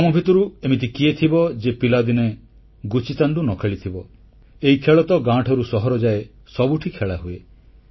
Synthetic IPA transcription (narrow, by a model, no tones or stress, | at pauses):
ɔmɔbʱit̪ɔɾuemit̪ʰikiet̪ʰibɔd͡ʒepilad̪ine | ɡut͡ʃit̪aɳɖunɔkʰeɭit̪ʰibɔ | eɦikʰeɭɔt̪ɔɡãʈʰɔɾusɔɦɔɾɔd͡ʒae | sɔbuʈʰikʰeɭaɦue